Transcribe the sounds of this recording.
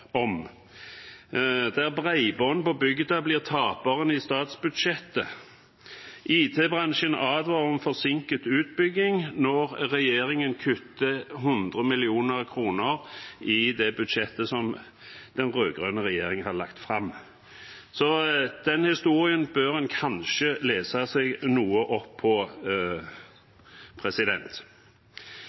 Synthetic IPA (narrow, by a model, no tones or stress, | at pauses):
ɔm | d̪æʁbʁæɪbɔn̩pɔbʏɡd̪əblɪːʁt̪ʰɑːpəʁənɪst̪ɑːt̪sbʉd̪ʃɛt̪ːə | ʔiːt̪ʰeːbʁɑnʃənɑːd̪ʋɑʁɔmfɔʁsɪŋkət̪ʉːt̪̚bʏɡːɪŋnɔʁʁɛjeːʁɪŋənkʰʉt̪ːəɦʊnd̪ʁəmɪlɪuːnəʁkʰʁuːnəʁɪd̪ɛbʉd̪ʃɛt̪ːəsɔm | d̪̥ɛnʁøːɡʁœnəʁɛjeːɾɪŋəhɑlɑkt̪fʁɑmː | sɔd̪̥ɛnhɪst̪uːɾɪənbøːɾɛnkʰɑnʃəleːsɑsɛɡnuːəʔɔpʰːɔ | pʰɾɛsɪd̪ɛnt̪